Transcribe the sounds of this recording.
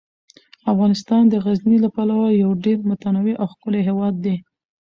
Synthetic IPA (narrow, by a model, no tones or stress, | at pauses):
afɣɑnɪst̪ɑnd̪əɣaznilapalawajawɖeɾmʊt̪anawiʔawxkəleɦewɑd̪ːe